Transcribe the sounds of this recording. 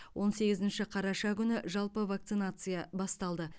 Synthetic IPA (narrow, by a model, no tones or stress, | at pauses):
wʔo̞nse̞ɡʲɪzɪnʃɪqʰɑɾɑʃɑkʲʰʏnɪʒɑlˠpəvak̚t̪sɨnat̪sɨjɑbɑst̪ɑlˠd̪ə